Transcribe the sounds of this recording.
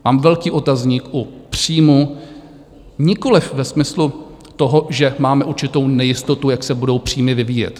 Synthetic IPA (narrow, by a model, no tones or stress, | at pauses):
maːmvɛlkiːʔo̞t̪azɲikʔupr̥iːmu | ɲɪko̞lɪfvɛsmɪslu | t̪o̞ɦoʒɛmaːmɛʔuɾt͡ʃɪt̪o̞wnɛjɪst̪ot̪ujaksɛbudo̞wpr̝̥iːmɪvɪviːjɛ̰t̪